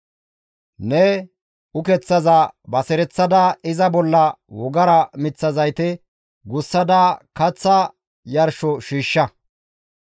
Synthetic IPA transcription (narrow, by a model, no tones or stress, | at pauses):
nɛ | ʊkɛt͡sːɐzɐbɐsɛɾɛt͡sːɐd̪ɐɪzɐbɔlːɐwɔɡɐɾɐmɪt͡sːɐzɐjt̪ɛ | ɡʊsːɐd̪aːkɐt͡sːɐ | jɐɾʃɔʃiːʃːɐ